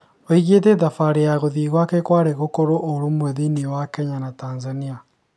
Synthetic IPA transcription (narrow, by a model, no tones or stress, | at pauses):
oiɣeteðafaɾejaɣoðiɣwakekwaɾeɣokoɾoʔoɾomweðiniwakɛɲanatanzania